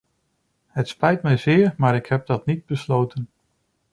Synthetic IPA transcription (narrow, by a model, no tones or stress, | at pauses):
ɦətspɛjtmɛjzɪːɹmaːɾɪkɦɛp̚dɑtnid̚bəslowtən